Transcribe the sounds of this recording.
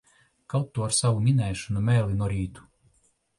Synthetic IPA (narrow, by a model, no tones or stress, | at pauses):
kawt̪ːuaɾsavumʲinɛjʃɔnumɛjlinuɔɾiːt̪u̥